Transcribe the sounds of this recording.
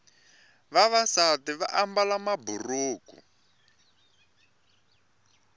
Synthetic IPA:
βaβasatiβa̰ʔambalamaburuːkṵ

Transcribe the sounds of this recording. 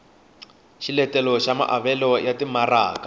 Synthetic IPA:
ʃilɛtɛlɔʃama̰ʔaβɛlɔjatimaraːka

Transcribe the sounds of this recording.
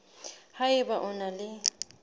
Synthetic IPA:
haɪbaʔʊnalɪ

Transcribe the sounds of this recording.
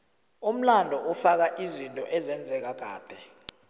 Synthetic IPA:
um̩landʱɔʔufak̬aʔizintʼɔʔɛzɛnd͡zʱɛk̬aɡ̥ʱaːb̥ʱɛ

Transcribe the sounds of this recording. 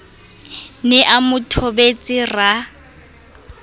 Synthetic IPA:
nɪʔamʊtʰɔbet͡sʼɪra

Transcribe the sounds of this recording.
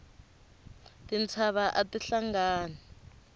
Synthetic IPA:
tint͡sʰaβaʔatiɬaŋɡaːna

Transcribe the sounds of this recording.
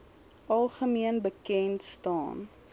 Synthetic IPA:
ʔɐlˠχəmiənbəkɛntstɑ̰ːn

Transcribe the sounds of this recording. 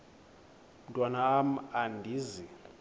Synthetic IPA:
m̩tʼwanaːmandʱiːzi

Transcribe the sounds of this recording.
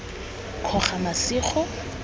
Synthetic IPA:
kʰɔχamasiːχɔ

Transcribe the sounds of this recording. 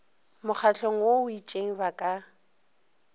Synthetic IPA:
mʊχʰaɬoŋ̩woʊit͡ʃʼeŋ̩bakʼa

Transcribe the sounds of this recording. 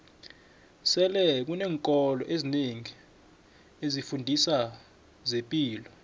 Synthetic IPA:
sɛlɛk̬unɛːŋkʼɔlɔ̰ʔezineŋi | ezifundʱisa | zempʼiːlɔ

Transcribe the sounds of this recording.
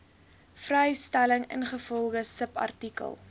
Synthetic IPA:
frɛjstæləŋə̰nχəfɔlˠχəsəpɐ̰rtikə̰lˠ

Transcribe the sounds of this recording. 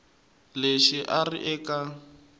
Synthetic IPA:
leʃiʔarḭʔɛːkʼa

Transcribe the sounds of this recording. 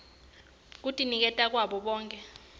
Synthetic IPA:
k̬utʼinik̬ɛtʼak̬waɓɔɓɔːŋkʼɛ

